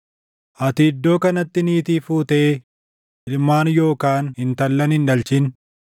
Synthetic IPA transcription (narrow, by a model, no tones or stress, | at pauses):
ʔɐt̪ɪːd̪ːo̞ːkɐnɐt̪ːɪniːt̪iːfuːt̪ɐe | ɪlmaːnjo̞ːkaːnhɪnt̪ɐlːɐnhɪnᶑɐlt͡ʃɪn